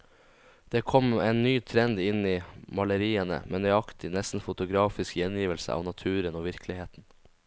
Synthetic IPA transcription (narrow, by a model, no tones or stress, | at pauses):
d̪̥eːkʰɔmeːnnyːt̪ʰɾɛnd̪ɪniːmɑləɾiːənə̰mḛːnœʏɑkt̪ɪnɛst̪n̩fʊt̪ʊɡɾɑːfɪskjɛnjiːʋəlsə̰ʔɑ̰ːʋnɑt̪ʰʉːɾənoːʋɪɾklɪheːt̪n̩